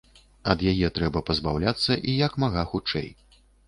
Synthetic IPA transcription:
ɐd̪jajɛt̪ɾɛbɐpɐzbawlʲat̪sːɐʔijɐkmaɣaxut͡ʂɛ̰j

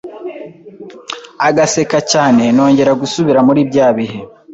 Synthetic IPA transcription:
aɡase̞kacaːne̞no̞ːɲɟe̞ɾaɡusuβiɾamuɾiːbɟaːβihe

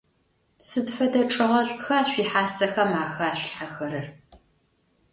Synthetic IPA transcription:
psɨdfɐdɐʈ͡ʂʼɨʁɐɕʷʼxɐaːɕʷiːħaːsɐxɐmaːxaːɕʷɬħaxɐɾɨr

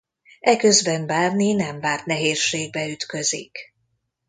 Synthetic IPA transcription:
ɛkøzbɛnbaːrninɛmvaːrt̪nɛɦeːrʃeːɡ̚bɛyt̪kø̞zḭk

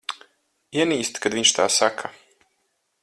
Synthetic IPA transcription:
iɛniːst̪kad̪viɲʃt̪ʰa̰ːsakʰa

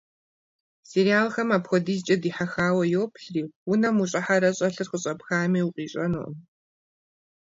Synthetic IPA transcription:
seɾijaːlxɐmaːpxʷɔdiːzt͡ʃʼɐdiːħaxaːwɐjowpʰɬriːwʊnɐmuɕʼɐħaɾɐɕʼɐɬɨrχəɕʼɐpxaːmiːwuqʼiːɕʼɐno̰n

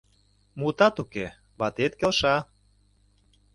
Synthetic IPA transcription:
mut̪ɑt̪uke | βɑt̪et̪̚kelʃɑ

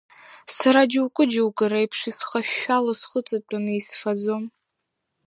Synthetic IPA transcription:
saɾad͡ʒwkʷʼʊd͡ʒɪwkʼɨɾajpʰʂisχaʃᶣːalasχʷʊt͡sʼat͡pʼanɨisfad͡zom

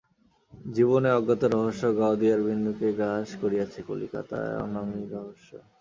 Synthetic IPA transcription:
d͡ʑiboneɔɡːat̪oɾɔɦoʃːoɡaod̪iaɾbʱinːukeɡaʃkoɾijat͡ɕʰeko̰lḭka̰t̪a̰ɔ̰namiɾɔɦoʃːo̰

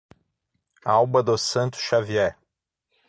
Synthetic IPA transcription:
awbɐd̪osɐ̃nt̪ʊ̥sʃaviɛ

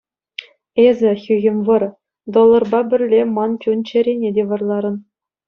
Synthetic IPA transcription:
ezʲɘ̆xʲyɣʲɘ̆mʲʋɤ̆r | d̪olˠːɤ̆rbɑbʲɘ̆rʲlʲːemɑnt͡ɕʲunt͡ɕɘ̆ɾʲenʲedʲeʋɤ̆rlˠɑɾɤ̆n

